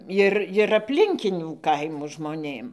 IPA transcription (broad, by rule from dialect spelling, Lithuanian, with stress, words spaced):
ˈɪr ɪr ɐpʲˈlʲɪŋʲkʲɪnʲuː ˈkɐɪmuː ʒmoːˈnʲeːm